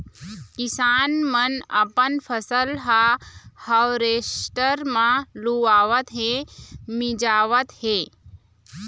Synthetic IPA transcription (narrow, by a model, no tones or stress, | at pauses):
kisaːnmənə̰pənpʰəsəlɦahəwɾesʈəɾmãluaːʋət̪ɦẽmid͡ʒaːʋət̪he